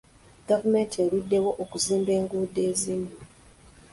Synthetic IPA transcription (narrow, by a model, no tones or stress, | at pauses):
ɡavume̞ntieɾudːe̞wo̞ʔokuziːmbe̞ːŋɡuːde̞ːzini